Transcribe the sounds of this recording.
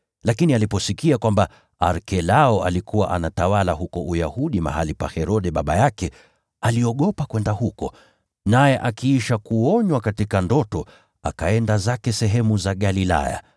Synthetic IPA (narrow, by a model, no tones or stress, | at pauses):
lakinialipɔsikiakwamba | aɾkɛlaɔa̰likʰuwaʔanatawalaɦukɔʔujahuɗima̰ɦalipa̰hɛɾɔɗɛɓaɓajakɛ | aliɔɠɔpakwɛndahukɔ | najɛʔakiiʃakuɔɲwakatikandɔtɔ | a̰kaɛndazakɛsɛɦɛmuzaɠalila̰ja̰